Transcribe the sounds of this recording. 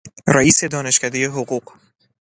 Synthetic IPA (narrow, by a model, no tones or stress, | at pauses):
ræiːse̞d̪ɒːne̞ʃcæd̪ejeɦoɢuːɢ